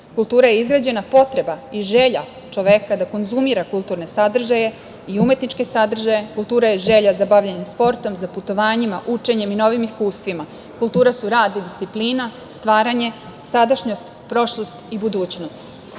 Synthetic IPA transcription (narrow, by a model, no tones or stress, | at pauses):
kulˠt̪uːɾaje̞izɡɾaːd͡ʑe̞napo̞t̪ɾe̞baiʒe̞ʎa | t͡ʃo̞ʋe̞kad̪ako̞nzumiɾakulˠt̪uɾne̞sad̪r̩ʒaje̞ | iume̞t̪nit͡ʃke̞sad̪r̩ʒajekulˠt̪uːɾajeʒe̞ʎazabaʋʎanimspo̞ɾt̪o̞mzaput̪o̞ʋaːɲimaʔut͡ʂe̞ɲe̞mino̞ʋimiskuːst̪ʋima | kulˠt̪uːɾasuɾaːd̪id̪ist̪sipliːna | st̪ʋaːɾaɲe̞ | sad̪aʃɲo̞st̪ | pɾo̞ʃlˠo̞st̪ibud̪uːt͡ɕno̞st̪